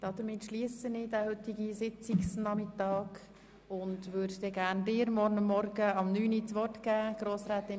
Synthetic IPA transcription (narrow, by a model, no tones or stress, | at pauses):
d̥ɑd̥̪əɾmɪt̪ʃliəsənɪdæhɵtːiɡisɪt͡siksnɑmɪtɑːɡ | ʊndʋøːɾdd̪ɛɡæːndɪːɾmɔɾnəmːɔɾɡəɑmnyːnit͡sʋɔrtɡæːɡ̥ɾoːsɾɛːt̪ɪ